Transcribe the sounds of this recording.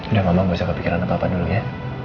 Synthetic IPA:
udaŋamaŋbaisakəpikiɾanapapaduluɲa

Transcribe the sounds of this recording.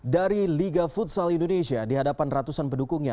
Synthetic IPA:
daɾiliɡafut̪salindonesiadiɦadapanrat̪usanpəndukuŋɲa̰

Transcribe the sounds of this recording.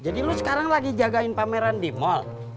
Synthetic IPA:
d͡ʒadilusə̥kaɾaŋlaɡid͡ʒaɡaɪnpameɾandimɔl

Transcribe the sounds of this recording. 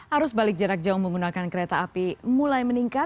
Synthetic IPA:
haɾʊsbalɪk̚d͡ʒəɾak̚d͡ʒaʊhməŋɡunakankəɾet̪aːpimulajməniŋkat̚

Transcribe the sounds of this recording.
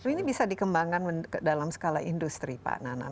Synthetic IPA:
inibisadikəmbaŋanməkədalamsə̥kalaindust̪ɾipa̰nana̰

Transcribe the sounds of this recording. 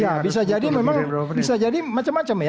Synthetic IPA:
jabis̬ad͡ʒadimemaŋbisad͡ʒadimat͡ʃamːat͡ʃamja

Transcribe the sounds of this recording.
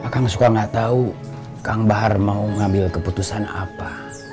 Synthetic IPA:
akaŋsukaŋɡaʔt̪au | kaŋbaɦarmauŋambɪlkəput̪usana̰pa

